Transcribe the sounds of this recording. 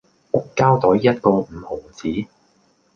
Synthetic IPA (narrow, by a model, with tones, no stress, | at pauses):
ʔʊ˥kːaː˥wt̪ɔ˨˥jjɐ˥t̚kɔː˧m̩˨˩ho˨˩wt͡sʰiː˨˥